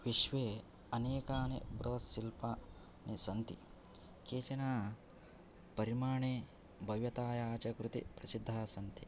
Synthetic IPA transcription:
ʋiʃʋeː | ɐneːkaːnḛbɾʔoːsilpaː | nisɐnt̪i | keːt͡ʃɐnaː | pɐɾimaːɳeː | bʱɐʋjɐt̪aːjaːt͡ʃɐkɾut̪ḭpɾɐsid̪ʱːaːsɐnt̪i

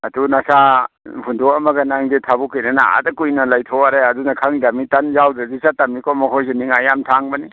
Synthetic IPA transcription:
ɐdunasa | hundɔɐmɐɡɐnaŋditʰabukijnanaa̰dɐkujnɐlajtʰɔaɾeɐdunakʰaŋdamitanzawdɐzisatamikʰɔmɔkʰojseniŋajamtʰaŋbɐni

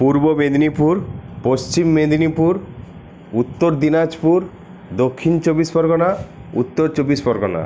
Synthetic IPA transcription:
puɾbobed̪inipuɾpost͡ʃimːed̪inipuɾ | ut̪ːoɾd̪inad͡ʒpuɾ | d̪okʰːint͡ʃobispɔɾɡɔnaṵt̪ːoɾt͡ʃobispɔɾɡɔna̰

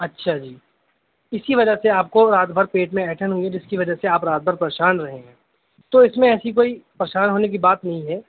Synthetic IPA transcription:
ɐtːʃʰad͡ʒiː | ɪsiʋɐd͡ʒəseaːp̚koɾaːd̪bʱəɾpeːʈmẽɛːʈʰənɦuiɦɛd͡ʒɪskiʋɐd͡ʒəseaːpɾaːd̪̚bʱəɾpɾeːʃaːnɾɐɦẽɛ̃ː | t̪oɪsmẽɛːsikoːipɾɐʃaːnɦoːnek̬ibaːt̪nɐɦĩɦɛː

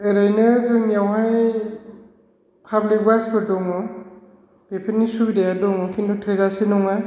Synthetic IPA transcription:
eɾajnɯzɯŋnijawɦaj | pʰablik̚basbɯdɔŋɔ | bepʰenːisubidejadɔŋɔkʰindʰutʰɯjzasinɔŋa

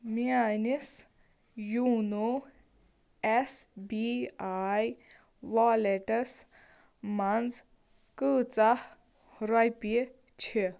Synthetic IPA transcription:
mianis | juno | esbiaj | ʋaːleʈɐs | mand͡z | kɨːt͡sah | ɾɔjpi | t͡ʃʰi

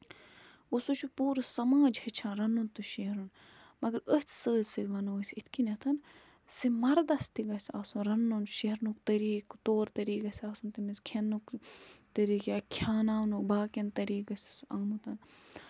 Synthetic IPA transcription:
usut͡ʃʰupuːɾsɐmaːd͡ʒhet͡ʃʰãːnɾɐnːunt̪uʃeɦɾun | mɐɡɐɾət͡s̪ʰsəːsiʋɐnoːsʲit̪ʰkinʲɐt̪ʰɐn | simɐɾd̪ɐst̪iɡɐsʲaːsunɾɐnːunʃeɦɾnuk̚t̪ɐɾiːkt̪oːɾt̪ɐɾiːkɐsʲaːsunt̪imiskʲʰenːukt̪ɐɾiːkʲjaːkʲʰjaːnaːwnukbaːkʲɐnt̪ɐɾiːkɐsʲsɐŋɡmut̪ʰɐn

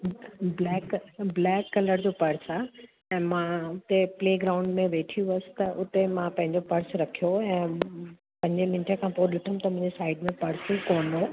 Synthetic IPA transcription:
blɛːkblɛːkːɐləɾd͡ʑoːpɐɾsa | ɛ̃ːmãʊt̪epleːɡɾaʊ̃ɳɖmẽʋeːʈʰijũɐsɪ̥̆t̪ɐʔʊt̪emãpɐ̃ɦɪ̃ɲd͡ʑopɐɾsɾɐkʰijoɛ̃ː | pɐ̃ɦɲd͡ʑmɪ̃nʈʰəkʰãːpoːɗɪʈʰʊmt̪ɐmʊ̃ɦɪ̃ɲd͡ʑesaːɪɖmẽpɐɾsukoːnoː

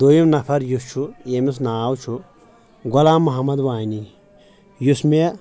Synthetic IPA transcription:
d̪̥ojimnɐpʰɐɾjust͡ʃʰuemis̬naːwt͡ʃʰu | ɡolaːmːɐɦɐmɐd̪ʋaːni | jusme

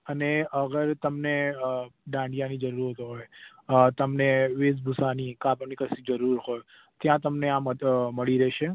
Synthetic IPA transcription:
əneəɡəɾt̪əmne | ɖãɳɖijanĩd͡ʒəɾuɾɦot̪oɦoj | t̪əmneʋesbʱusanikapənikəsid͡ʒəɾuɾɦoj | t̪jãt̪əmneãməməɭiɾɛɦʃe

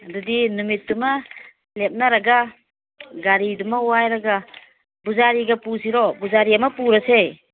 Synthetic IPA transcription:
ɐdudinumit̚dumɐ | lep̚nɐɾɐɡa | ɡaɾidumɐuajɾɐɡɐ | buzaɾiɡɐpusiɾɔbuzaɾiɐmɐpuɾɐse

